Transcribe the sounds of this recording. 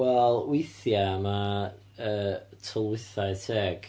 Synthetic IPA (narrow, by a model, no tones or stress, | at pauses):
wɛlˠwɪjθjama | əːtʰɔlˠwɪθajsʰɛːɡ̥